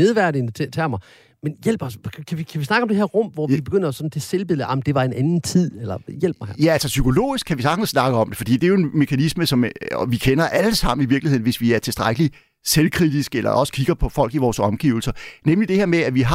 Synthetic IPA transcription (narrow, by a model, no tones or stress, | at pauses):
eðˠʋæɐɾnt͡sʰet͡sʰæɐmɑ̈ | menjel̰b̥ɒskʰæʋikʰæʋisnɑ̈ɡ̥əɒ̽md̥eɦeɐʁɔ̽m̰ʋɒib̥e̝ɡ̥øn̰d̥ɒsɒ̥̽n̩t͡sʰe̝selb̥e̝ð̰̩ˠɑmn̩d̥e̝ʋɑ̈e̝nʔænn̩t͡sʰið̰ˠelɐjel̰̥mɑ̈ɪjæælsɐsykʰo̝lo̝̰ːisɡ̥̚ʰːæʋisɑ̈ɡ̥n̩ssnɑ̈ɡ̥əɒ̽md̥e̝fɒ̽d̥ḭːd̥e̝æjoe̝nme̝kʰænisməsɒ̽mɒʋikʰenɐʔæləsɑ̈m̰n̩iʋiɐɡ̥lihe̝ð̰ˠnʋe̝sʋiæɐt͡sʰe̝sd̥ʁaɪɡ̥əli | selkʰʁid̥isɡ̥elɐ̰ʔɒ̽sə̥kʰiɡ̥ɐpʰɒ̽fɒ̽l̰ɡ̥iʋɒːsɒ̽mɡ̥iʊl̩sɐnemlid̥ehe̝ɐmeæʋiɦɑ̈